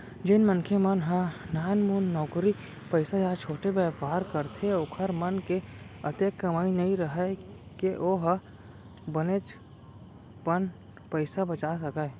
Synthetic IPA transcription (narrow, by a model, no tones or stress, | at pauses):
d͡ʒenmənkʰemɐnɦanaːnmuːnːɔːkɾi | pəɪsad͡ʒaːt͡ʃʰoːʈebɛːbʱaːɾkɐɾt̪ʰeoːkʰəɾmɐnkeɐt̪eːkːɐmaːinɐɦĩɾɐɦekeʔoːɦa | bɐneːt͡ʃ | bən | pəɪsabɐt͡ʃaːsɐka